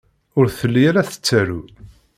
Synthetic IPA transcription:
ʊɾθəlːijæɾæθə̥t͡sːæɾṵ

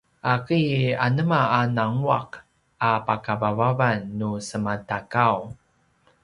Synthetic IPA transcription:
ʔakianəmaanaŋua̰k | apakavavavanːusəmatakaw

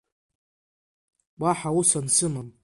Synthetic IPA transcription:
baħausansɨman

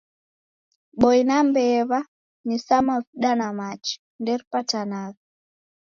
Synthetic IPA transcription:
ɓɔjnambɛβa | nisamaviɗanamat͡ʃi̥ | ndɛɾpatanaɣa

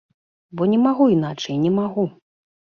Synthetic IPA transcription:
bɔnʲɛmaɣuin̪at͡ʂɐjnʲɛmaɣu

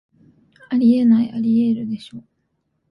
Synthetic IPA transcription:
aɾʲie̞naiʔaɾʲie̞ɾɯ̟d̪e̞ɕo̞ː

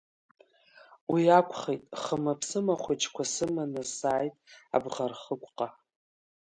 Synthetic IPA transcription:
wiakʷʰχejtʼχəmapʰsɨmaχʷet͡ʃʰʼkʷʰasɨmanɨsaːjtʼa̰bʁarχəkʷʼqʼa

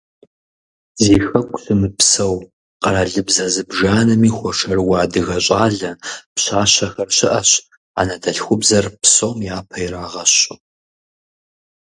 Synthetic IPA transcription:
ziːxɐkʷʼɬɨmɨpsɐw | qɐɾaːɮɨbzɐzɨbʒaːnɐmiːxʷɔʂɐrwɑːdɨɣɐɕʼaːɮɐpɕaːɕɐxɐrɕɪʔɐɕ | a̰nɐdʰɐɬxʷʊbzɐrpsomjaːpʰɐjraːʁɐɕʊ

